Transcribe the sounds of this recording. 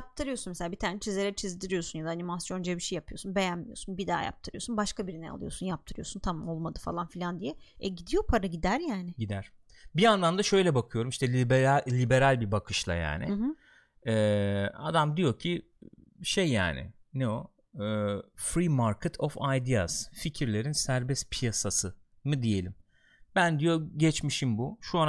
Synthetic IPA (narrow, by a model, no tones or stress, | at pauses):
jap̚t̪ʰɯɾɯjo̞sunmeselʲaːbit̪ʰaːɾnɛt͡ʃʰizlʲeɾɛt͡ʃʰizd̪iɾijo̞sunjad̪aːnimasjo̞nd͡ʒebiʃejːapʰɯjo̞sunbe̞jænmijo̞̰sunbid̪a̰ːja̰p̚t̪ʰɯɾɯjo̞sunbaʃkabiɾinɛ̰a̰lˠɯ̰jo̞̰sunjap̚t̪ʰɯɾɯjosunt̪ʰamo̞lˠmad̪ɯfa̰lˠanfilʲand̪ijɛɛɟid̪ijo̞pʰaɾaɟid̪æɾjaːnɪɟid̪æɾ̥ | bianlˠand̪aʃø̞jlʲɛbakʰɯjo̞ɾumiʃt̪ʰɛblʲibe̞ɾalʲbibakʰɯʃlˠa̰ja̰ːnɪ̰ɯ | ɛːa̰d̪amd̪ijo̞cʰi | ʃe̞jːa̰ːnɪ̰nɛo | fɾimaɾkʰɛt̪ʰofajd̪ia̰z̥ficʰiɾlʲe̞ɾinsæɾbɛspʰijasasɯ | mɯd̪ije̞lʲim | bænd̪ijo̞ɟɛt͡ʃmiʃimbuʃuan